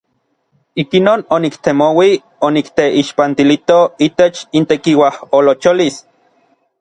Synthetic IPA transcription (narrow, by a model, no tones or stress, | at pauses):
ikinoːnonikt̪emowi | onikt̪eʔiʃpant̪ilit̪oit̪et͡ʃint̪ekiwaholot͡ʃolis